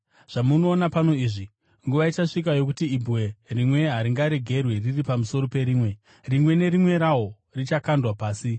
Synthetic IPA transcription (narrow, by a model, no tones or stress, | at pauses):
ʐ̥amuno̞ːnapano̞iːʐi | ŋɡuʋait͡ʃaʂikajo̞kutiːbuwe̞rimwe̞ɦaɾiŋɡaɾe̞ɡʱe̞rwe̞riripamuso̞ɾo̞pe̞ɾiːmwe̞ | rimwe̞ne̞ɾimwe̞ɾawo̞ | rit͡ʃakandwapaːsi